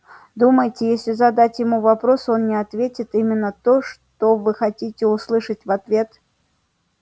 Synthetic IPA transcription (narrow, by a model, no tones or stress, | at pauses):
d̪uməjtʲɪjesʲlʲɪzɐd̪atʲjɪmuvapɾosonnʲɪat̪vʲetʲɪt̪imʲɪnːət̪oʂt̪ovɨxɐtʲitʲɪuslˠɨʂətʲvat̪vʲet̪